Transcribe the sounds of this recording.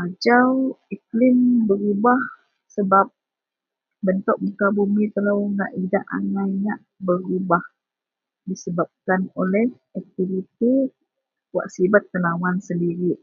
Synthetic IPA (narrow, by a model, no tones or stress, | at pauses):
ad͡ʒawiklɪmbəɾubah | səbap̚ | bənt̪ʊk̚mukabumit̪əlawŋa̰ʔidaʔa̰najɲaʔbəɾubah | disəbap̚kanolɛh | ak̚t̪ivit̪i | wa̰ʔsibat̪ːənawansəndiɾiʔ